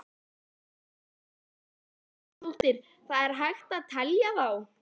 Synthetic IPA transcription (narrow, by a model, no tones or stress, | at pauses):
ul̥t̪ɪɾ̥ | θaðɛɾɦajxt̪aðt̪ʰɛljavaw